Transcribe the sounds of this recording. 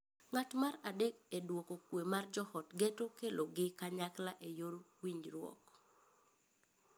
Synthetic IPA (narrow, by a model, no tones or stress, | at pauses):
ŋatmaɾadekedwokokwemard͡ʒɔhɔtɡetokelʔoɡɪkaɲaklaʔejoɾ | wiɲɾwɔ̰k